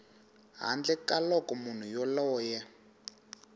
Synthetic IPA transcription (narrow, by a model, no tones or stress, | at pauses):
ɦa̰nd͡ɮɛkalɔkɔmun̤ujɔlɔːjɛ